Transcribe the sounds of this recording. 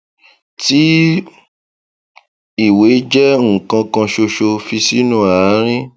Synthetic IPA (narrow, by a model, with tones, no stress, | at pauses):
ti˦ | i˦˨we˨˦d͡ʒɛ˦ŋ̩˨kã˧kã˧ʃo˧ʃo˧fi˧si˦nũ˦a˨˦ɾ̃ĩ˦